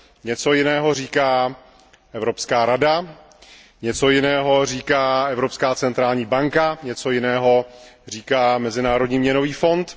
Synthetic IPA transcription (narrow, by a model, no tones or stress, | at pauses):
ɲɛt͡so̞jɪnɛːɦo̞r̝iːkaː | ʔɛvɾopskaːɾada | ɲɛt͡so̞jɪnɛːɦo̞r̝iːkaːʔɛvɾo̞pskaːt͡sɛnt̪ɾaːlɲiːbaŋkaɲɛt͡so̞jɪnɛːɦo̞r̝iːkaːmɛzɪnaːɾodɲiːmɲɛno̞viːfo̞nt̪